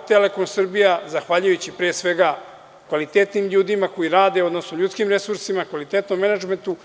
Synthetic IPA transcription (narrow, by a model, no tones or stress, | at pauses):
t̪ele̞ko̞nsr̩bijazaxʋaːʎujut͡ɕipɾeːsʋe̞ɡa | kʋalit̪et̪nimʎuːd̪imako̞jiɾaːd̪e̞o̞d̪no̞snoʎut̪kimɾe̞suɾsimakʋalit̪et̪no̞mːenad͡ʒment̪u